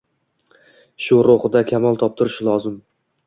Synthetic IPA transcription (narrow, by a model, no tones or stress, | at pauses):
ʃʊɾoχɨd̪akʲʰamɒlˠt̪ʰɒp̚t̪ʰʊɾɪʃlˠɒzɪm